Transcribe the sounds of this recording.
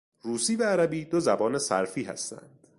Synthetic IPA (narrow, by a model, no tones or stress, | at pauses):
ɾuːsiːvæːɾæbiːd̪ozæbɒːne̞sæ̰ɾfiːhæ̰st̪æ̰nd̪̥